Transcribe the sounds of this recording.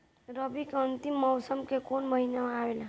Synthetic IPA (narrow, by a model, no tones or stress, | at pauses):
ɾəbikeʌnt̪imːɔwsəmkekonməɦinamawela